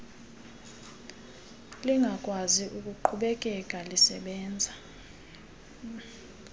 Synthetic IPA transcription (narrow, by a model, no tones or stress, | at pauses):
liŋɡʱakʼwaziʔukʼuǃʰuɓɛkʼɛkʼalisɛɓɛːnd͡zʱa